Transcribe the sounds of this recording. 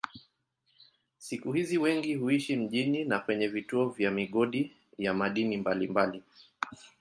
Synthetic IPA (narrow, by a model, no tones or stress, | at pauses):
sikuhiziwɛŋɡihuiʃim̩ʄininakwɛɲɛvituɔvjamiɠɔɗi | jamaɗinimbalimbali